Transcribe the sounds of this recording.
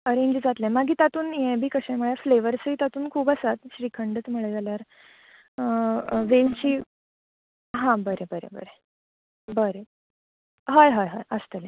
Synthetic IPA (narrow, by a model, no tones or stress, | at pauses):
əɾẽɲd͡ʑd͡zat̪lɛ̃maɡʱiːt̪at̪uːnjɛ̃bʱiːkəɕẽməɭjafleʋəɾsiːt̪at̪uːnkʰuːbəsat̪ɕɾikʰəɳɖət͡sm̤əɭed͡zaljaɾ | ʋelt͡ɕiː | ɦãbəɾebəɾḛbə̰ɾe | bəɾe | ɦajɦajɦa̰jəst̪əlẽ